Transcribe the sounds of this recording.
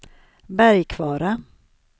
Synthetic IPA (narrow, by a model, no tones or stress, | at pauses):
bæɾjkʰvɑːɾa